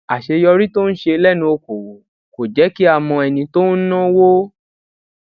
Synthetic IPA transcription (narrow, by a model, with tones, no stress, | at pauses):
a˨ʃe˧jɔ˧ɾi˦to˦n̩˦ʃe˧lɛ˦nũ˧o˧ko˨wo˨ | ko˨d͡ʒɛ˨˦ki˦a˦˨mɔ̃˧ɛ˨nĩ˧to˦n̩˦nã˦wo˦